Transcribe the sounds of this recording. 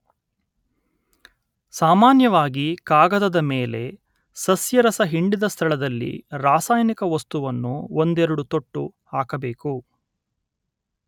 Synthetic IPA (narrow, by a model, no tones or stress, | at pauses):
saːmaːnjɐʋaːɡikaːɡɐd̪ɐd̪ɐmeːle̞ | sɐsjɐɾɐsɐɦiɳɖid̪ɐst̪ʰɐɭɐd̪ɐlːḭɾaːsaːjnikɐʋɐst̪uʋɐnːuond̪ɛɾɐɽut̪oʈːṵhaːkɐbeːku